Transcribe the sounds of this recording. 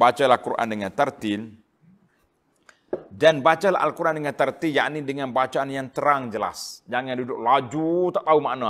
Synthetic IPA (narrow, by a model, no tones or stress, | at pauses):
bat͡ʃalakuɾʔa̰ndəŋant̪ərt̪ɪl | danbat͡ʃala̰ɦa̰lkuɾʔandəŋant̪ərt̪iljaʔnidəŋanbat͡ʃaːnjaŋt̪əɾaŋd͡ʒəla̰sd͡ʒaŋandudʊk̚lad͡ʒut̪aʔt̪aumaʔna